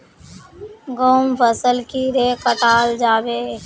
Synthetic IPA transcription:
ɡoːmpʰəsəlkiɾeːkəʈaːld͡ʒaːbeː

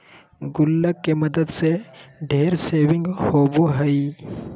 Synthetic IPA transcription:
ɡʊlːəkːemɐd̪əd̪seɖʱeːɾseːʋɪ̃ŋɡhoːboɦɐi

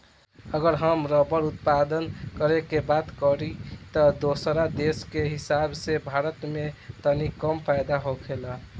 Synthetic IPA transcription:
əɡəɾɦəmɾəbəɾut̪̚pad̪ənkəɾekebat̪kəɾit̪əd̪osɾad̪eskeɦisabsebʱaɾət̪met̪ənikəmpajd̪aɦokʰelə

